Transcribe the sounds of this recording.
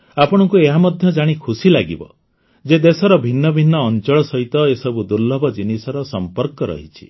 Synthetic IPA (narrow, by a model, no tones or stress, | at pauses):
apɔɽ̃ɔŋkueɦamɔd̪ʱjɔd͡ʒaɽ̃ikʰusilaɡibɔ̰ | d͡ʒed̪esɔɾɔbʱinːɔbʱinːɔːnt͡ʃɔɭɔsɔɦit̪ɔesɔbud̪uɾlːɔbɔd͡ʒinisɔɾɔsɔmpɔɾkɔɾɔ̰ɦit͡ʃʰi̥̰